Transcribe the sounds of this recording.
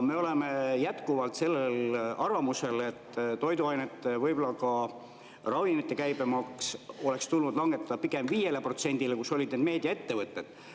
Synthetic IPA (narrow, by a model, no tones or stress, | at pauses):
me̞o̞lemejæt̪kuvɑlt̪se̞lːelɑɾɑmuse̞le̞t̪ːt̪o̞jd̪uɑjnet̪ˑːevɤjbolːɑkɑ | rɑvinit̪ːe̞kæjbemɑkso̞le̞kst̪ulnud̪̥lɑŋɡ̥et̪ːɑd̪ɑpiɡe̞mviːje̞lepro̞t̪se̞nʲd̪̥ilekuso̞lʲid̪̥neːd̪me̞ːd̪̥ʲiɑe̞t̪ːe̞vɤt̪ːe̞d̪̥